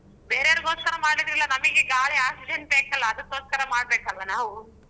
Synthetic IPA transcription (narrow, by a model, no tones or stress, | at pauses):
beːɾeaːɾɡoːskɐɾɐmaːɽlid̪ɾilːɐnɐmɐɡeɡaːɭeaːsid͡ʒen̚beːkɐlːɐːd̪ɐt̪ːoːskɐɾɐmaːɽ̚beːkaːd̪ʋɐnaːʋu